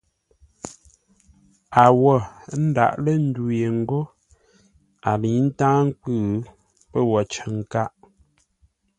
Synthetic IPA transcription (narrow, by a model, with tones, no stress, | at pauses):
a˨wɔ˦˨˦n̩˦da̰˨ʔlə˦n̩˦du˨je˨ŋ̩˦ɡo˦ | a˨li˨˦n̩˦tãː˦ŋ̩˦kʉ˦˨ | pə˦wɔ˨t͡ʃə˨ŋ˨ka˦ʔ